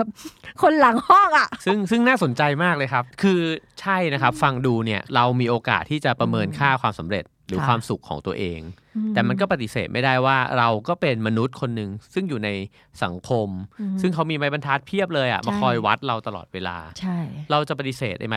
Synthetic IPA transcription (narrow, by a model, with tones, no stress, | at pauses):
kʰo˧nla˨˩˦ŋhɔː˥˩ŋʔa˨˩ʔsɯ˥˩ŋsɯ˥˩ŋnaː˥˩so˩˦nt͡ɕa˧jmaː˥˩k̚lɤː˧jkʰa˦˥p̚kʰɯː˧t͡ɕʰa˥˩jna˦˥kʰa˦˥p̚fa˧ŋduː˧ni˥˩ɐɾa˧wmiː˧ʔoː˧ka̰ː˨˩t̪ʰːiː˥˩t͡ɕa˨˩pɾa˧mɤː˧nkʰaː˥˩kʰwaː˧msa˩˦mɾḛ˨˩t̪̚ɾɯː˩˦kʰwaː˧msu˨˩kʰːɔ̰ː˩˦ŋt̪u˧ɐʔeː˧ŋ | t̪ɛː˨˩ma˧nkɔː˥˩pa˧t̪i˨˩seː˨˩t̪̚ma˥˩jda˥˩jwaː˥˩ɾa˧wkɔː˥˩pe˧nma˧nu˦˥t̪̚kʰo˧nːɯ˨˩ŋsɯ˥˩ŋjuː˨˩na˧j | sa̰˩˦ŋkʰo˧msɯ˥˩ŋkʰa˦˥wmiː˧ma˦˥jba˧nt̪ʰaː˦˥t̪̚pʰi˥˩əp̚lɤː˧jʔa̰˨˩ma˧kʰɔ˧jwa˦˥t̪̚ɾa˧wt̪a˧lɔ̰ː˨˩t̪̚weː˧la̰ː˧t͡ɕʰa˥˩jɾa˧wt͡ɕa˨˩pa˧t̪i˧˩seː˨˩t̪̚ʔa̰˧jm˦˥